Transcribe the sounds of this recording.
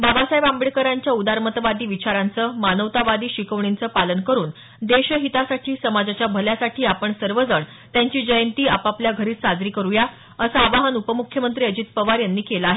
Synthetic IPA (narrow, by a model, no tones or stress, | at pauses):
babasajeʋambɭikəɾaɲt͡ɕjaud̪aɾmət̪əʋad̪iːʋit͡ɕaɾant͡səmanəʋt̪aʋad̪iːɕikəʋɳint͡səːpalənkəɾuːn | d̪eɕəɦit̪asaʈʰiːsəmad͡zat͡ɕjabʱəljasaʈʰiːapəɳsəɾʋəd͡zəɳ | t̪jaɲt͡ɕiːd͡ʑəjənt̪iːapapljaɡʱəɾiːt̪sad͡zɾiːkəɾuja | əsaːʋaɦənupəmukʰjəmənt̪ɾiːəd͡ʑit̪̚pəʋaɾjanːiːkelaaɦe